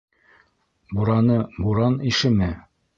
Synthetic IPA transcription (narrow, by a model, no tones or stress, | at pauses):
buɾɑnɤbuɾɑniʃɘmɘ